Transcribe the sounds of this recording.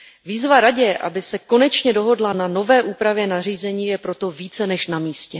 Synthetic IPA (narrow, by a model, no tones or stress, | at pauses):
viːzvaɾaɟɛʔa̰bɪsɛko̞nɛt͡ʃɲɛdo̞ɦo̞dlanano̞vɛːʔuːpɾavjɛnar̝iːzɛɲiːjɛpɾo̞t̪o̞viːt͡sɛnɛʃnamiːscɛ